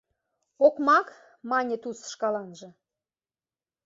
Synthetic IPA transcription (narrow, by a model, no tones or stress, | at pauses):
okmɑk | mɑnʲət̪usʃkɑlɑnʒə̆